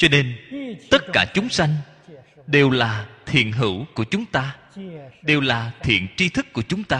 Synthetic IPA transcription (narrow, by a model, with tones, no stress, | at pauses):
t͡ɕɔ˧ne˧nt̪ə˦˥t̚kaː˧˩t͡ɕʊ˨˦ŋ͡msa˧jŋ̟ | ɗe˨˩wlaː˨˩t̪ʰḭ˧˨ənɦɨ̰˧˩wku˧˩ət͡ɕʊ˨˦ŋ͡mt̪aː˧ | ɗe˨˩wlaː˨˩t̪ʰḭ˧˨ənt͡ɕi˧t̪ʰɨ˦˥kːu˧˩ət͡ɕʊ˨˦ŋ͡mt̪aː˧